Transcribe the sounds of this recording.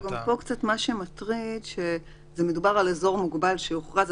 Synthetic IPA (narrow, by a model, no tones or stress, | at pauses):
ɡampo̞kt͡sat̪maʃemat̪ʁidʃe | zeme̞dubaʁalezo̞ʁmuɡbalʃeuχʁaz